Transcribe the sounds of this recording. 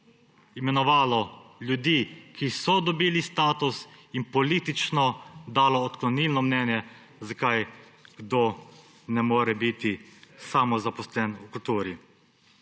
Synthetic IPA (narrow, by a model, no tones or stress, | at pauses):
imɛnɔʋaːlɔljud̪iːkisɔd̪ɔbiːlist̪aːt̪usinpɔlit̪it͡ʃnɔd̪aːlɔːt̪klɔniːlnɔmnɛːnjɛ | zakajɡ̥d̪o | nɛmoːɾɛbit̪isaːmɔzapɔslɛnukult̪uːɾi